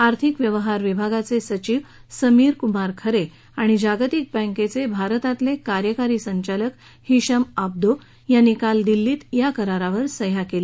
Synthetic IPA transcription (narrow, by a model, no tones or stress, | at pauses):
aɾt̪ʰikʋjəʋɦaɾʋibʱaɡat͡sesət͡ɕiːʋsəmiːɾkumaɾkʰəɾe | aɽ̃id͡ʑaɡt̪ik̚bə̃ŋket͡sebʱaɾt̪at̪lekaɾjəkaɾiːsəɲt͡ɕalək | hiɕəmab̚d̪o | janːikald̪ilːiːt̪jakəɾaɾaʋəɾsəjakele